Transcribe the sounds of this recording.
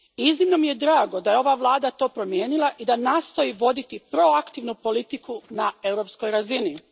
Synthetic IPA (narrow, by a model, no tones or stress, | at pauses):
iznimno̞mije̞d̪ɾaːɡo̞d̪ajeo̞ʋaʋlˠaːd̪at̪o̞ːpɾo̞mje̞ːnilˠaʔid̪anaːst̪o̞iʋo̞d̪it̪ipɾo̞akt̪iʋnupo̞lit̪ikunae̞wɾo̞psko̞jɾazini